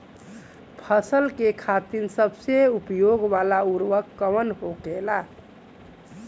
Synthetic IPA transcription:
pʰəsəlkekʰat̪insəbseupjoɡʋalauɾʋəkːəʋənɦokela

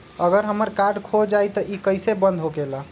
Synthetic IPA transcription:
əɡəɾɦəməɾkaɾɖkʰod͡ʒajt̪əʔikəjsebə̃nd̪ʱɦoɡela

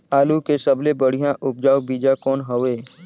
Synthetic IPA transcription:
aːlukesɐblebəɽ̤ijãʔʊp̚d͡ʒaːwbiːd͡ʒakɔːnɦɐʋeː

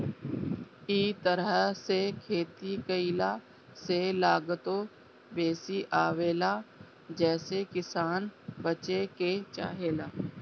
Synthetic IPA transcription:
iːt̪əɾəsekʰeːt̪ikəɪla | selaːɡt̪o | beːsiʔaːʋeːlaː | d͡ʒɛːsekɪsaːnbət͡ʃeket͡ʃa̰ːɦeːlaː

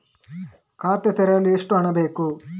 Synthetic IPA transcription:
kʰaːt̪et̪ɛɾɐjɐlːueʂʈuɐɳɐbe̞ːku

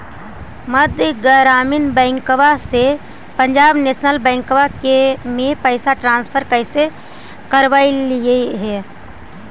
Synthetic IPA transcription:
məd̪ʱjɡəɾaːminbɛ̃ɪŋkʋase | pəɲd͡ʒaːbneːsnəlbɛ̃ːŋkʋakemẽpəɪsaʈɾãːnspʰəɾkəɪse | kəɾʋaːilieɦɛː

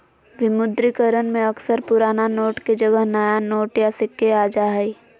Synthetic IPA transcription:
ʋɪmʊd̪ɾikəɾənmẽɐksəɾpʊɾaːnanoːʈked͡ʒɐɡəɦnɐjanoːʈjasɪkːeaːd͡ʒaɦɛi

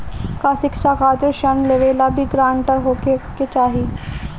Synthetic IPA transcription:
kasɪkʃakaːt̪ɾəɾʃənleʋeːlabʱiɡɾãːɳʈəɾɦoːkeket͡ʃaːɦiː

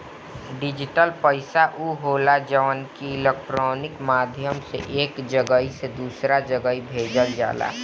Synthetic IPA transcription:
ɖɪd͡ʒɪʈəlpəɪsaʔuɦoːlad͡ʒəʋənkiɪlek̚ʈɾɔːnɪkmaːd̪ʱjəmsḛʔeːkd͡ʒəɡəised̪uːsɾad͡ʒəɡəibʱeːd͡ʒəld͡ʒa̰ːla̰ː

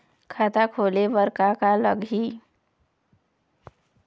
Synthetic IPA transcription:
kʰat̪akʰolebəɾkakalə̰ɡʱi

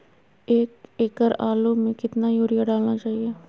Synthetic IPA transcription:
eːkeːkəɾaːloːmẽːkɪt̪naːjoːɾɪjaːɖaːlnaːt͡ʃaːɦiɛː

